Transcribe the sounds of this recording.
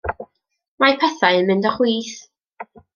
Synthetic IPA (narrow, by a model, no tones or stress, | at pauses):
majpʰɛθaɨənmɪndɔχwiːθ